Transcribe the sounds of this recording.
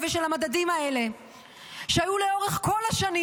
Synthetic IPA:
veʃelhamadadimae̞le̞ | ʃeajule̞o̞ʁeχko̞lhaʃani

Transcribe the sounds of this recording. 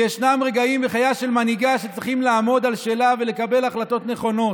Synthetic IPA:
jeʃnamʁe̞ɡaimbeχajaʃe̞lmaniɡaʃet͡sʁiχimlaaːmo̞d̪alʃe̞ːlavele̞kabe̞laχlat̪o̞t̪ne̞χo̞no̞

